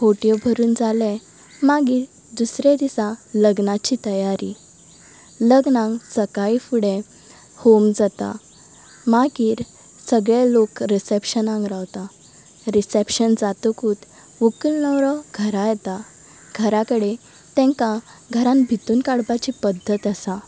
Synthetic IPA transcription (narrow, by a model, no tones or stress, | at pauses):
foʈijɔbʱəɾuːnd͡zalɛ | maɡiːɾ | d̪usɾed̪isãləɡnat͡ɕit̪əjaɾi | ləɡnãŋɡsəkaifuɽẽ | homd͡zat̪a̰ | maɡiːɾ | səɡɭelokɾisepɕənãŋɡɾawt̪a | ɾisepɕənd͡zat̪ukuːt̪ | ʋukəlnəʋɾɔɡʱəɾajɛt̪a | ɡʱəɾakəɽe | t̪ɛ̃ŋka | ɡʱəɾãnbʱit̪uːnkaɽbat͡ɕipəd̪ʱːət̪əsa